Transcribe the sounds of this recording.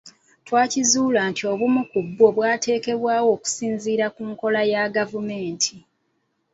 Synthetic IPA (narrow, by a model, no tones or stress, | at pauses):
twaːcizuːlaːntʰio̞ːβumukubːo̞βwaːte̞ːke̞βwaːwo̞ːku̥siːnziːɾakuːŋko̞lajaɡavume̞ːntʰi